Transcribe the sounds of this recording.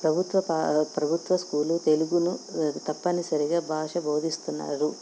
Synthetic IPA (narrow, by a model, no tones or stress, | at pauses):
pɾɐbʱut̪ʋɐpapɾɐbʱut̪ʋɐskuːlut̪e̞luɡunut̪ɐpːɐnisɐɾiɡaːbʱaːʂɐbʱoːd̪ʱist̪unːa̰ːɽu